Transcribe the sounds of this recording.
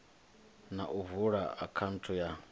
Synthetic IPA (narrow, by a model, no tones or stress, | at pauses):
naʔuvuɺaakʰan̩tʰuja